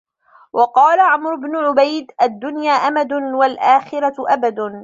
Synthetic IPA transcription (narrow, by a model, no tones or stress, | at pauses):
wʔɑqɑːlaʕamɾʊbnʊʕʊbajd̪ʔad̪ːʊnjaːʔamad̪ʊnwalʔaːxɪɾaʔabad̪